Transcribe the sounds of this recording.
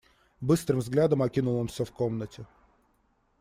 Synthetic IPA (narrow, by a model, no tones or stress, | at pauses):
bɨst̪ɾɨmvzɡlʲad̪əmɐkʲinʊlˠəmsʲofkomnətʲɪ